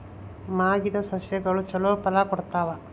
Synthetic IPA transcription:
maːɡid̪ɐsɐsjɐɡɐɭut͡ʃɔlopɐlakɔɽt̪aːʋɐ

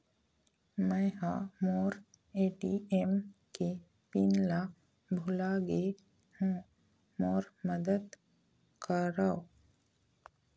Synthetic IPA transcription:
mɛ̃jhamoːɾ | eːʈiemki | pinla | bʱulaːɡe | hũ | moːɾməd̪əd̪ | kəɾaw

